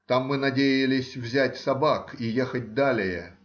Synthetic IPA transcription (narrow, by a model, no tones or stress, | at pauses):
t̪amːɨnɐdʲejɪlʲɪsʲvzʲætʲsɐbakijexət̚ʲd̪alʲɪjə̰